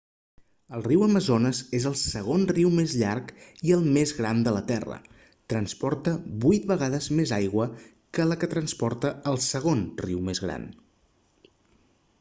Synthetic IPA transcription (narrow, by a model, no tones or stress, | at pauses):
əlˠriwəməzonəzezəlˠsəɣ̞onriwmezʎarkiəlˠmezɣɾand̪ələt̪ɛrə̰ | t̪ɾənspɔrt̪əβujt̪̚bəɣaðəzmezajɣwə | kələkət̪ɾənspɔɾt̪əəlˠsəɣ̞onriwmezɣɾa̰n